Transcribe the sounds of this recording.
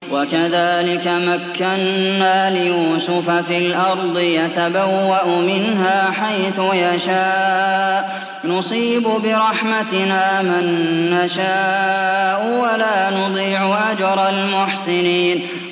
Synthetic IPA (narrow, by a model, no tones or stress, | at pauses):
wakaðaːlɪkamakːanːaːlɪjuːsʊfafiːlʔɑɾˤd̪ˤɨjat̪abawːaʔʊmɪnɦaːħajθʊjaʃaːʔ | nʊsˤiːbʊbɪɾˤɑħmat̪ɪnaːmanːaʃaː | ʔʊwalaːnʊd̪ˤiːʕʊʔad͡ʒɑɾˤɑlmʊħsɪniːn